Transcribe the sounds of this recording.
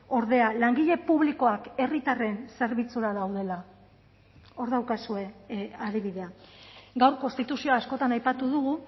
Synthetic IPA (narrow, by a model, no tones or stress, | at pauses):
o̞ɾðe̞alaŋɡiʎe̞puβ̞liko̞ake̞rit̪are̞nse̞ɾβit͡suɾaðawðe̞la | o̞ɾðawkasue̞aðiβiðe̞aɡawɾko̞nst̪it̪usio̞aːsko̞t̪anajpat̪uðuɣu